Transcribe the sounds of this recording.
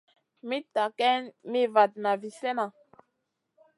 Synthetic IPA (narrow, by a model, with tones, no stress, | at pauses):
mi˦ta˨kɛ˦nmi˦va˨t̚na˨vi˨sɛ˦na˨